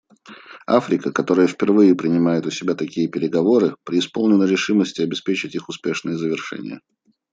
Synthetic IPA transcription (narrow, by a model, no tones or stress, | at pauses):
a̰fɾʲɪkəkɐt̪o̞ɾəjəfʲpʲɪrvɨjɪpɾʲɪnʲɪmajɪt̪ʊsʲɪbʲat̪ɐkʲijəpʲɪɾʲɪɡɐvo̞ɾɨpɾʲɪɪspo̞lˠnʲɪnəɾʲɪʂɨməsʲtʲɪɐbʲɪspʲet͡ɕɪtʲixʊspʲe̞ʂnɨjəzəvʲɪrʂɛ̰nʲɪ̰jə̰